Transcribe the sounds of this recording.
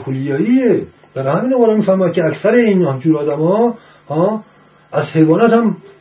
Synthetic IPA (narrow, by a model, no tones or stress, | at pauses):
kʰulijɒːie | d̥̪æɾhæmiːnɔɣɒːɾɑmiːfæɾmɔæd̪̚kʰʲeæksæɾeiːnd͡ʒuːɾɒːd̪æmɒː | hɒː | æzhejvɒːnæt̪hæm